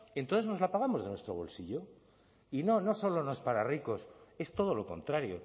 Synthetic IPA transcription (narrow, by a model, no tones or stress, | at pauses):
e̞nt̪oθezno̞zlapaɣ̞amo̞zðenwe̞st̪ɾo̞β̞o̞̰lsiʎo̞ | ino̞no̞so̞lono̞spaɾariko̞se̞st̪o̞ð̞o̞lo̞ko̞nt̪ɾaɾjo̞̰